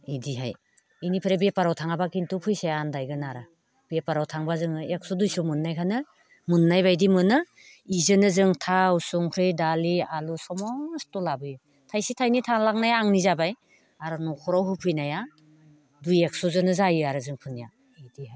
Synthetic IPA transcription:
idiɦaj | inipʰɯɾebepaɾawtʰaŋabakintupʰujsejandajɡɯnaɾa | b̥epaɾawtʰaŋbazɯŋɯek̚sudujsumunːajkʰanɯ | munːajβajdimɯnɯ | izɯnɯzɯŋtʰawsuŋkʰɾɯjdalialusɔmɔstɔlabɯjɯ | tʰajsitʰajnitʰaŋlaŋnajaːŋnizabaj | aɾɯnɔkʰɔɾawɦupʰɯjnaja | dujek̚suzɯnɯzajɯaɾɯzɯŋpʰɯnija | idihaj

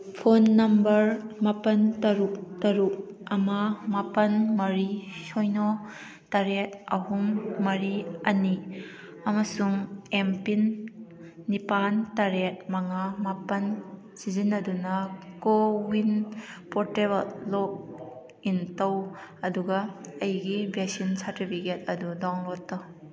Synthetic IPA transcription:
pʰonːɐmbɐɾmɐpɐntɐɾuk̚tɐɾuk̚ | ɐmamapɐnmɐɾisɔjnɔ | tɐɾet̚ɐɦumːɐɾiɐni | ɐmɐsuŋempinː | ipantaɾet̚maŋamapɐn | sizinːɐdunɐkowinpʰɔteβalːɔk̚ | intowɐduɡɐːjɡibek̚sinsaɾtipʰiket̚ɐdudɔŋlɔtːɔ

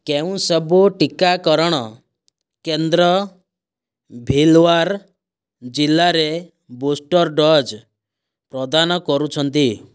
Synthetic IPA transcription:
keũsɔbuʈikakɔɾɔɽ̃ɔ | kend̪ɾɔ | bʱilwaɾ | d͡ʒilːaɾe | bosʈɔɾɖɔd͡ʒ | pɾɔd̪anɔkɔɾut͡ʃʰɔnt̪i

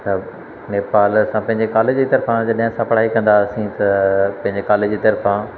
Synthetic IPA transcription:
sɐb | neːpaːlsãpɐ̃ɦɪ̃ɲd͡ʑekaːled͡ʑd͡ʑiːt̪ɐɾfãd͡ʑɐɗɐɦə̃sãpɐɽ̤aːikɐ̃nd̪aɐsĩt̪ɐpɐ̃ɦɪ̃ɲd͡ʑekaːled͡ʑiːt̪ɐɾfã

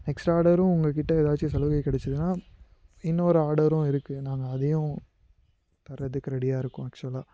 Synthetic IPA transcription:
nɛksʈaːɾɽɐɾʊ̃ʊŋɡɐk̬ɪʈːɐeːðaːɾt͡ʃːɯsɐlɐɣɐɪkːɪɽɛt͡ʃːɐðɯnaː | ɪnːɐɔɾɯaːɾɽɐɾʊ̃ɪɾɯkːɯnaːŋɡɐːðɐjʊ̃ | t̪ɐɾːɐðɯkːɯɾɛɽɪjaːɪɾɯkːʊ̃ɐk̚t͡ʃɯɐlaː

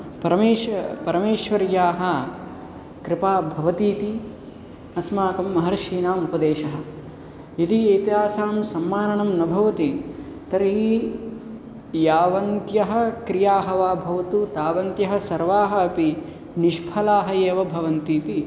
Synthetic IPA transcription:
pɐɾɐmeːʃpɐɾɐmeːʃʋɐɾjaːɦɐ | kɾɪpaːbʱɐʋɐt̪iːt̪i | ɐsmaːkɐmːɐɦɐɾɐʃiːnaːmupɐd̪eːʃɐɦɐ̆ | it̪ieːt̪iɦaːsaːmsɐmːaːɾɐɳɐmnɐbʱɐʋɐt̪i | t̪ɐɾɦi | jaːʋɐnt̪jɐɦɐ̆kɾijaːɦɐʋaːbʱɐʋɐt̪ut̪aːʋɐnt̪jɐɦɐ̆sɐɾʋaːɦɐːpi | niʃpʰɐlaːɦɐeːʋɐbʱɐʋɐnt̪iːt̪i

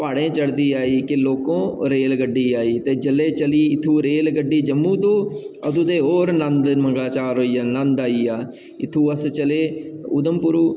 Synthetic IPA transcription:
paːɽẽːt͡ʃəɽd̪iːaːiːkɪloːkõːɾeːlɡəɖːiːaːiːt̪eːd͡ʒəlːeːt͡ʃəliːɪt̪ʰːũːɾeːlɡəɖːiːd͡ʒəmːũːt̪õː | əd̪uːd̪eːɦoːɾnənd̪məŋɡlaːt͡ʃaːɾɦoːiːaːnənd̪aːiːaː | ɪt̪ʰːũːəst͡ʃəleːʊd̪əmpʊɾuː

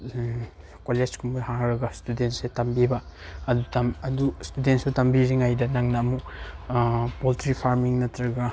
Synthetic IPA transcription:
koled͡ʒkʰumbuhaŋɾɐɡɐstudentsetɐmbibɐɐdutɐmɐdustudentsutɐmbiɾiŋajdɐnaŋnɐːmu | poltɾipʰaɾmiŋnɐtɾɐɡɐ

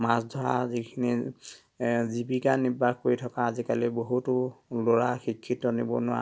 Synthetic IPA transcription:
masdʱɔɹa̰zikʰini | zibikanibʱak̚koɹitʰɔkaːzikaliboɦutʊloɹaxikʰːitɔnibɔ̰nʊwa̰

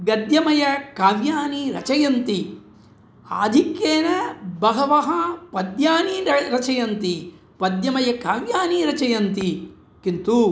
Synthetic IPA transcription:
ɡɐd̪jɐmɐjɐkaːʋjaːniɾɐt͡ʃɐjɐnt̪i | a̰ːd̪ʱikjeːnɐbɐɦɐʋɐɦɐpɐd̪jaːniɐɾɐt͡ʃɐjɐnt̪i | pɐd̪jɐmɐjɐkaːʋjaːniɾɐt͡ʃɐjɐnt̪i | kint̪u

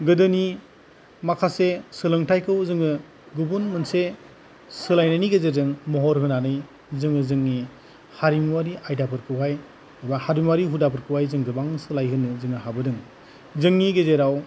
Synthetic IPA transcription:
ɡɯdɯni | makʰasesɯlɯŋtʰajkʰɯwzɯŋɯ | ɡubunmɯnse | sɯlajnaniɡezezɯŋmɔɦɔɾɦɯnanɯj | zɯŋɯzɯŋni | haɾimwaɾiʔajdapʰɯɾkʰɯwɦaj | bahaɾimwaɾiɦudapʰɯɾkʰɯwajzɯŋɡɯbaŋsɯlajɦɯnɯzɯŋɯɦabɯdɯŋ | zɯŋniɡezeɾaw

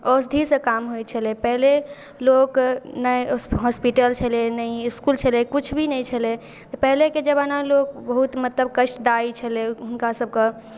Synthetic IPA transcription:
ɔs̬d̪ʱisẽkamɦoj̪t͡ʃʰəlepɛɦle | loknəjɦɔspiʈəlt͡ʃʰəlenəiːskult͡ʃʰəlekut͡ʃʰbʱinəjt͡ʃʰəle | t̪ɔpɛɦleked͡ʒəbanalok̚bəɦut̪mət̪ləb̚kəʃʈd̪ait͡ʃʰəleɦunkasəb̚ʱke

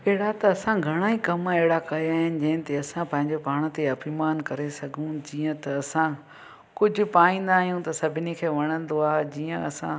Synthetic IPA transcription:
eɦɪɽat̪ɐɐsãɡʱɐɽ̃aːikɐmeɦɪɽakɐjaːɦɪnɪ̆d͡ʑɐ̃ɦɪ̃nt̪eɐsãpɐ̃ɦɪ̃ɲ̆d͡ʑopaːɽ̃t̪eɐpiːmaːnkɐɾesɐɡʱũd͡ʑiːə̃t̪ɐɐsã | kʊd͡ʑʱʊ̆paːĩːn̆d̪aːɦijũt̪ɐsɐbʱɪnikʰeːʋɐɽ̃ə̃n̆d̪oaːɦed͡ʑiːə̃ɐsã̰

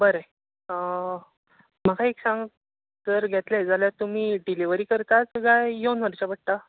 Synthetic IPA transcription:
bəɾe | ə | makʰaeksãŋɡ | d͡zəɾɡʱɛt̪led͡zaljat̪um̤iːɖiliʋəɾiːkəɾt̪at͡sɡajjonəɾt͡ɕabəʈ̚t̪a

